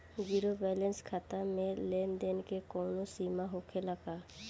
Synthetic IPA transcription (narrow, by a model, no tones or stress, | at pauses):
ɡiɾobɛlẽnskʰat̪amẽlend̪enkekɔːnosiːmaɦokʰeləɡa